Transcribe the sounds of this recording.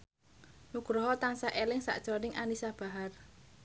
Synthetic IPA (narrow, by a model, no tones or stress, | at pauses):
nuɡ̥ɾɔɦɔt̪aŋsaʔelɪŋsa̰ʔd̥ʒ̥ɔnɪŋʔanisab̥a̤ɦar